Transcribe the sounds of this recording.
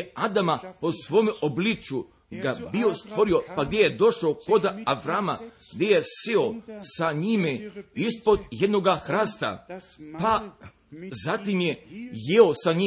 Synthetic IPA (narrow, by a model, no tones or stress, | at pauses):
ad̪amapo̞sʋo̞meʔoblit͡ʃju | ɡabio̞st̪ʋo̞ɾio̞paɡd̪ʲjejed̪o̞ʃaoko̞d̪aaʋɾama̰ɡ̥d̪jejeseosaɲimeispo̞d̪jed̪no̞ɡaxɾast̪a̰pa | zat̪imjejeosaɲi